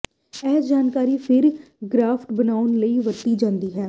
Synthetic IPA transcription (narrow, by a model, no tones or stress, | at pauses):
ɛːd͡ʒaːnkaːɾiːpʰɪɾ | ɡɾaːpʰʈbənaːʊnləiːʋət̪ːiːd͡ʒãːnd̪iːɦɛː